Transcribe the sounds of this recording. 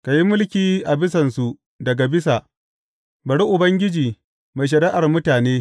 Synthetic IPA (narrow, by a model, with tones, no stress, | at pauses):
ka˨ji˦mʊ˦lkʲiː˨ʔa˨bɪ˦s̬ɐ˨nsu˨ | dɐ˨ɡa˨bɪ˦sa˨ | bɐ˨ɽi˦ʔʊ˨bɐ˦ŋɡʲɪ˦d͡ʒiː˨ | ma˨jʃ̬ɐ˨ɾiː˦ʔa˨rmʊ˦taː˨neː˦